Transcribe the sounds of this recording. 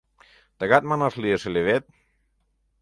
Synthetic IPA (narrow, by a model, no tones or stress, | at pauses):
t̪aɣat̪̚manaslieseleβet̪̚